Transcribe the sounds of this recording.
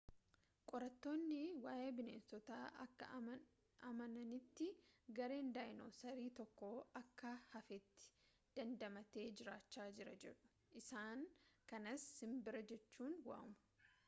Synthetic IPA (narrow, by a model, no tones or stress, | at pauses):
kʼɔɾɐt̪ːo̞ːnːɪwaːʔe̞ːbɪneːnsɔt̪aːʔɐkːɐ̰ | ɐmɐnɐnɪt̪ːɪɡɐɾe̞ːnd̪aːɪno̰ːsɐɾiːt̪ɔkːoːɐkːɐhɐfɛt̪ːɪ̥ | d̪̥ɐnd̪ɐmɐt̪e̞ːd͡ʒɪɾaːt͡ʃːaːd͡ʒɪɾɐd͡ʒɛᶑʊ̥ | ʔɪsaːŋkɐnɐshɪmbɪɾɐd͡ʒɛt͡ʃːuːnwa̰ːmʊ̥